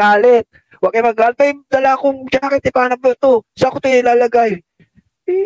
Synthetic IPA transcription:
aːlɛt̪̚ | waɡ̚ɐjmɐɡaːlt̪̚ajd̪ɐlakʊŋt͡ʃakɪt̪ɪpaːnɐpɐt̪osakʊt̪ojɪlaːlɐɡaj

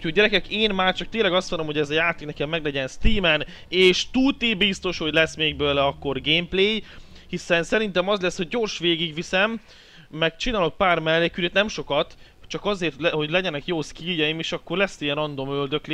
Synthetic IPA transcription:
u̥hoɟɛɾɛkɛkeːnmaːrt͡ʃɒk̚t̪eːnlɛɡɒst̪ʋonomhoɛzɒjaːt̪eːknɛkɛmmɛɡlɛɟɛnst̪iːmɛn | eːʃt̪ut̪ibist̪o̞ʃho̞ɟlɛsmeːɡ̚bøːlɛɒkːo̞rɡeːmpleːjhisɛnsɛɾint̪ɛmɒzlɛsːho̞ɟːo̞ːrʃʋeːɡiɡʋisɛmː | ɛkt͡ʃinaːlo̞k̚paːrmɛlːekyɾet̪nɛmʃo̞kɒt̪ | t͡ʃɒkɒzeːrt̪ho̞ɟlɛɟɛnɛkjoːskiːjɛjimeʃɒkːo̞rlɛst̪ijɛnɒnd̪o̞møld̪ø̞kle

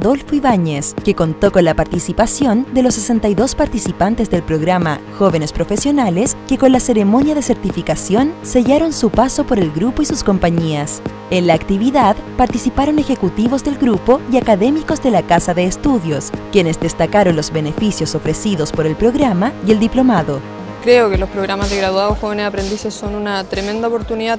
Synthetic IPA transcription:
ðo̞lfoiβaɲeskeko̞nt̪o̞ko̞nlapaɾt̪isipasjo̞nd̪e̞losːesent̪ajðo̞spaɾt̪isipant̪ezðe̞lpɾo̞ɣɾama̰xo̞βe̞nespɾo̞fesjo̞naleskeko̞nlase̞ɾemo̞njaðeseɾt̪ifikasjo̞nse̞ʝaɾo̞nsupaso̞po̞ɾe̞lɣɾupo̞isusko̞mpaɲias | enlaːkt̪iβiðaðpaɾt̪isipaɾo̞ne̞xe̞kut̪iβo̞zðe̞lɡɾupo̞iakaðe̞miko̞zðe̞lakasaðe̞ːst̪uðjo̞skjenezd̪est̪akaɾo̞nlo̞zβe̞ne̞fisjoso̞fɾe̞siðo̞spoɾe̞lpɾo̞ɣɾamaield̪iplo̞maðo̞ | kɾeokelospɾoɣɾamazðeɣɾaðwaðoxoβeneapɾend̪isesːonunat̪ɾemend̪aopoɾt̪uniða

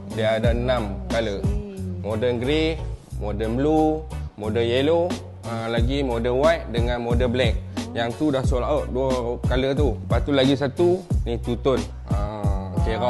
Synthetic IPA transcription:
diaadanãmkaləmodənɡɾimodəblumodəjelo | əlaɡimodəwajʔ̚dəŋãnmodəblɛk̚jaŋt̪udahsolaɔʔduakalət̪upat̪ulaɡisat̪unit̪ut̪ʊn | əkeɾa

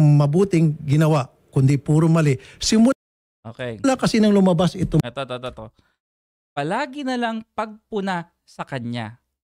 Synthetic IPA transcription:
mɐbuːt̪ɪŋɡɪnɐwaʔ | kʊnd̪ipuːɾomɐlɪsɪmʊ | ʔo̰kɛlakɐsinɐŋlʊmɐbasɪt̪oɐt̪ɐt̪ot̪ɐt̪o | pɐlaːɡɪnɐlaŋpɐɡ̚pʊna | sɐkɐɲa̰

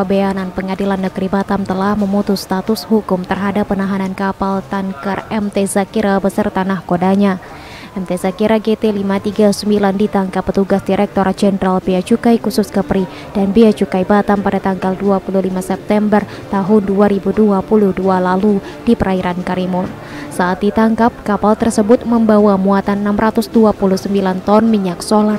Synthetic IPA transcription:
beananpəŋadilanːəɡɾibat̪amt̪əlahməmut̪ʊsːt̪at̪ʊshukʊmt̪ərɦadapːənaɦanankapalt̪aŋkarɛmt̪ɛzakiɾabəsərt̪anahkodaɲa | ʔɛmt̪ezakiɾaɡet̪elimat̪iɡasəmbilandit̪aŋkapːət̪uɡasdiɾɛk̚t̪oɾad͡ʒɛnɾalbiat͡ʃukajkusʊskəpɾi | d̥anbiat͡ʃukajbat̪ampadat̪aŋɡalduapululimasɛp̚t̪ɛmbər | t̪aɦʊnduaɾibuduapuluhdualalu | d̥ipəɾaiɾankaɾimʊn | saʔːt̪̚dit̪aŋkap̚kapalt̪ərsəbʊt̪̚məmbawamuat̪anənamɾat̪ʊsduapuluhsəmbilant̪ɔnmiɲaksolar

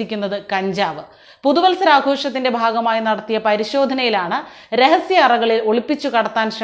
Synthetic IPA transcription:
ikʲːunːɐðɨkɐɲd͡ʑaːʋɨ | puðuʋɐlsɐɾaːɡʱo̞ːʂɐt̪ːinde̞bʱaːɡɐmaːjinɐɽɐt̪ːijɐpɐɾiɕo̞ːd̪ʱɐnɐjilaːɳɨ | ɾe̞ɦɐsjɐːrɐɣɐɭilo̞ɭipːit͡ɕːukɐɽɐt̪ːaːnʂɐ

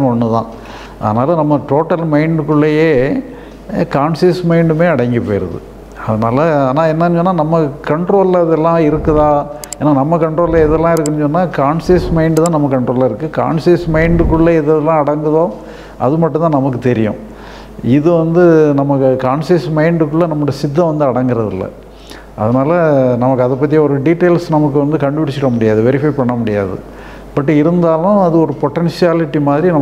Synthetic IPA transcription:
ɔnːɯt̪ã̰ː | ʔɐ̰ðɐnaːlɐnɐmːɐʈoːʈːɐlmɐɪɳɖɯkːʊɭːejeː | kaːnsismɐɪɳɖɯmeːɐɽɐŋɡipoːjɾɐ̰ðɯ̰ | ɐðɐnaːlɐaːnaːɛnːɐnːɯt͡ʃɔnːaːnɐmːɐkɐɳʈɾoːlɐðɛlːãːɪɾɯkːɐðãː | eːnːaːnɐmːɐkɐɳʈɾoːlɐɛðɛlːãːɪɾɯkːɐnt͡ʃɔnːaːkaːɳsismɐɪɳɖt̪ãːnɐmːɐkɐɳʈɾoːlɐɪɾɯkːɯka̰ːɳsismɐɪɳɖɯkʊɭːɐɪðɛlːãːɐɽɐŋɡɯðõː | ʔɐ̰ðɯmɐʈːnt̪ãːnɐmɐk̬ːɯt̪ɛɾɪjʊ̰̃ | ɪðɯʋɐnd̪ɯnɐmɐɯkaːnsismɐɪɳɖɯkːʊɭːɐnɐmːɯɽijɐsɪd̪ːɐ̃ʋɐnd̪ɯɐɽɐŋɡɪɾɐðɪ̰lːɐ̰ | ʔɐðɐnaːlɐnɐmɐkːɯɐðɐp̬ːɐt̪ːijɐɔɾɯɖiʈːeːlsnɐmɐk̬ːɯʋɐnd̪ɯkɐɳɖɯʋɪɽɪt͡ʃːɪɾɐmʊɽɪjaːðɯʋɛɾɪfɐɪpɐɳːɐmʊɽɪja̰ːðɯ̰ | b̥ɐʈːɪɾɯnd̪aːlʊ̃ɐðɯɔɾɯpɔʈːɛnsɪjaːlɪʈːimaːðɪɾinɐ

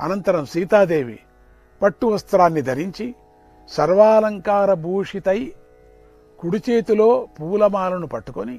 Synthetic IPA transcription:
ɐ̰nɐnt̪ɐɾɐmsiːt̪aːd̪e̞ːʋḭ | pɐʈːuʋɐst̪ɾaːnːid̪ʱɐɾiɲt͡ʃi | sɐɾʋaːlɐŋkaːɾɐbʱuːʂit̪ɐj | kuɽut͡ʃe̞ːt̪ulo̞ːpuːlɐmaːlɐnupɐʈːukoni

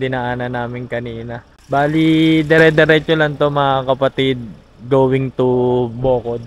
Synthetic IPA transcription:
d̪ɪnaʔaːnɐnaːmɪŋkɐniːnɐ | baːlid̪ɛɾɛd̪ɛɾɛt͡ʃolɐŋt̪omɐŋakɐpɐt̪id̪̚ | ɡoːwɪŋt̪uboːkod̪̚

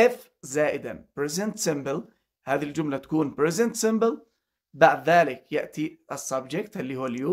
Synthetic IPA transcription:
ʔɪf | zaːʔɪd̪a̰nbɾɪzɪnt̪sɪmbɪl | haːðiild͡ʒʊmlat̪ḁkuːnbɾɪzɪnt̪sɪmbɪl | baʕd̪ðaːlɪkjaʔt̪iʔɑsˤːɑbd͡ʒɪkt̪ʔɪlːiːhʊːaljuː

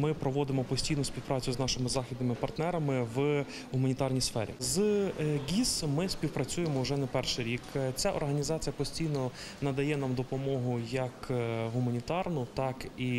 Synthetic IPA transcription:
mɪpɾɔʋɔd̪ɪmɔpɔsʲtʲijnʊspʲiwpɾɑt͡sʲʊznɑʃɪmɪzɑxʲid̪nɪmɪpɐrt̪nɛɾɐmɪʋ | ɦʊmɐnʲit̪ɑrnʲijsfɛ̰ɾʲḭzɡʲismɪsʲpʲiwpɾɐt͡sʲujemɔʊʒɛnɛpɛrʃɪɾʲikt͡sʲaʔɔ̰rɦɐnʲizɑt͡sʲijɐpɔsʲtʲijnɔ | nɐd̪ɐjɛnɑmd̪ɔpɔmɔɦʊjɐkɦʊmɐnʲit̪ɑrnʊt̪ɑki

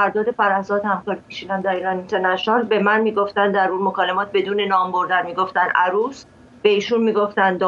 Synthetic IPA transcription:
æɾd̪ɒːd̪efæɾæzɒːt̪hæmkɒːɾipʰiʃiːnænd̪æɾiːɾɒnint̪ʰenæʃɒːlbe̞mænmiːɡo̞ft̪ænd̪d̪æɾuːnmokʰɒːlemɒːt̪̚ʰbe̞d̪uːne̞nɒːmbo̞ɾd̪ænmiːɡo̞ft̪ænæɾuːs | b̥e̞iːʃunmiːɡo̞ft̪ænd̪d̪ɒ

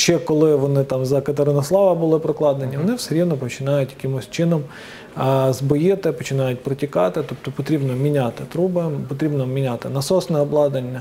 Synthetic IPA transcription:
ʃt͡ʃːɛkɔlˠɪʋɔnɪt̪ɑmzɐkɐt̪eɾɪnɐslˠɑʋɐbʊlˠɪpɾɔklˠɑd̪enʲiʋɔnɪwseɾʲid̪nɔpɔt͡ʃɪnɑjʊtʲjɐkɪmɔsʲt͡ʃɪnɔm | zbɔjɪt̪ɪpɔt͡ʃɪnɑjʊt̚ʲpɾɔtʲikɑt̪ɪt̪ɔp̚t̪ɔpɔt̪ɾʲibnɔmʲinʲat̪ɪt̪ɾubɪpɔt̪ɾʲibnɔmʲinʲat̪ɪnɐsɔsnɛɔblˠɑd̪ɐnʲːɐ

